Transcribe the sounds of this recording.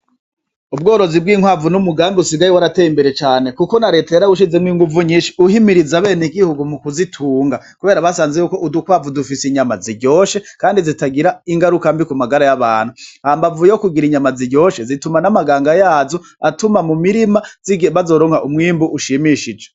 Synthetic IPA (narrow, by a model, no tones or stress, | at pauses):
ub̚ɡo̞ːɾo̞zib̚ɡiːŋhwaːvunumuɡaːmbeusiɡajiwaɾateːjimbe̞ɾe̞t͡ʃaːnekuko̞naɾe̞teɾauʃ̬izemwiːŋɡuvuɲiːʃiuhimiɾizaβe̞ːniɡihuɡumukuzitʰuːŋɡakuβe̞ːɾaβasaːnzejuːko̞ʔudukwaːvudufisiɲamaziɟo̞ːʃe̞kaːndizitaɡiɾaiŋɡaɾukambikumaɡaɾajaβaːn̥huhaːmbavujjokuɡiɾiɲamaziɟo̞ːʃe̞zitumanamaɡaːŋɡajaːzo̞ | atumamumiɾimaziɡβazoɾoːŋhaʔumŋiːmbuʔuʃimiʃid͡ʒe